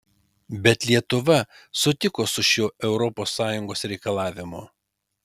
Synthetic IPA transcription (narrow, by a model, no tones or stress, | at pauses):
bʲɛt̪lʲiɛt̪ʊʋɐsʊt̪ʲɪkoːsʊʃʲoːʔɛʊɾɔpoːsːɑːjʊŋɡoːsɾʲɛɪkɐlˠɑːʋʲɪmo